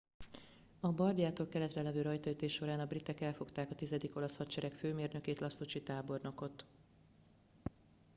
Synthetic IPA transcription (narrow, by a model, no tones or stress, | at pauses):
ɒbɒrdjaːt̪oːlkɛlɛt̪rɛlɛvøːɾɒjt̪ɒyt̪eːʃːo̞ɾaːnɒbrit̪ɛkɛlfo̞kt̪aːkɒt̪izɛd̪iko̞lɒshɒtt͡ʃɛɾɛkføːmeːrnø̞keːt̪lɒst̪ot͡ʃit̪aːbo̞rno̞ko̞t̪